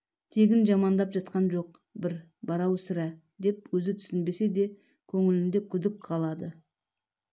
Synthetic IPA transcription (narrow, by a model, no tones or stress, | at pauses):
t̪ʰe̞ɡʲɪnʒɑmɑnd̪ɑpʒɑt̪qɑnʒo̞q | bɪɾ | bɑɾɑwsɪɾæ | d̪e̞pwɵzɪt̪ʰʏ̥sɪnbe̞se̞d̪e̞ | kʲʰɵŋɪlɪnd̪e̞kʲʰʏd̪ɪk̚qʰɑlˠɑd̪ə